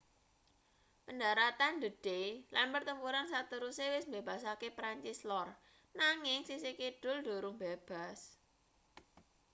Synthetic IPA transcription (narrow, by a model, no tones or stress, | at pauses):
pəndaɾat̪and̪əd̥elanpərt̪əmpuɾansat̪əɾusewɪsmbeb̥a̤sakepɾaɲt͡ʃɪslɔr | naŋɪŋsisekiɖ̥ʊld̥oɾʊŋb̥eb̥a̤s